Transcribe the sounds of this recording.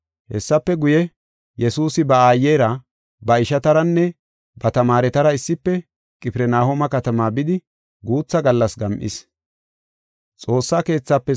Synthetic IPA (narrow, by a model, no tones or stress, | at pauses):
hɛsːɐpːɛɡʊjɛ | jɛsuːsɪbɐaːjːeːɾɐ | bɐɪʃɐt̪ɐɾɐnːɛ | bɐt̪ɐmaːɾɛt̪ɐɾɐɪsːɪpːɛ | kʼɪpɪɾɛnaːhɔmɐkɐt̪ɐmaːbɪd̪ɪ | ɡuːt͡sːɐɡɐlːɐsɡɐmʔɪ̰s | t͡sʼo̞ːsːaːke̞ːt͡sːapːɛ